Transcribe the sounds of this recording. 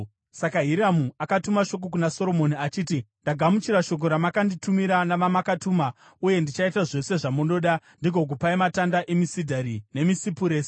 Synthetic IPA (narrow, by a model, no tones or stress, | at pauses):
sakaɦiɾamuakatumaʃo̞k̬ok̬unaso̞ɾo̞mo̞niat͡ʃiːtindaɡʱamut͡ʃiɾaʃo̞k̬o̞ɾamakanditumiɾanaʋamakatuːma | uje̞ndit͡ʃaitaʐe̞se̞ʐamuno̞ɗa | ndiɡʱo̞k̬upaimatandaʔemisidʱaɾine̞misipuɾeːse̥